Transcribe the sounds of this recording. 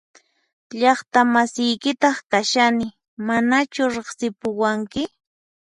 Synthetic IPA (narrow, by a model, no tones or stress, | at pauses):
ʎɑχt̪amasɪjkɪt̪ɑχkaʃanɪ | manat͡ʃʊɾeχsɪpʊwaŋkɪ